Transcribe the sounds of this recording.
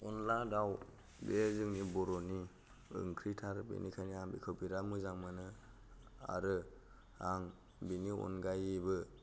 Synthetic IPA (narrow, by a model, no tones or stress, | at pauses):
ɔnladaw | bezɯŋnibɔɾɔni | ɯ̰ŋkʰɾitʰaɾbḭnikʰajniaŋbikʰɯwpiɾamɯzaŋmanɯ | a̰ɾɯ | aŋ | biniɔ̰nɡajibɯ